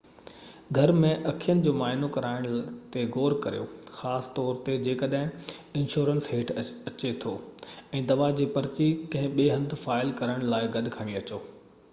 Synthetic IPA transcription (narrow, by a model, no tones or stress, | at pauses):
ɡʱɐɾmẽʔɐkʰijənɪ̆d͡ʑoːmaːɦɪnokɐɾaːɪɽ̃t̪eɡoːɾkɐɾijo̰xaːsɪ̥t̪ɔːɾt̪ed͡ʑeːkɐɗɦɪ̃ | ɪ̃nʃoːɾənsɦeːʈʰɐt͡ɕet̪ʰoːɛ̃ːd̪ɐʋad͡ʑiːpɐɾt͡ɕikɐ̃ɦɪ̃ɓeːɦɐ̃nd̪ʱfaːɪlkɐɾəɽ̃laːɪɡɐd̪ʱɪkʰəɽ̃iɐt͡ɕoː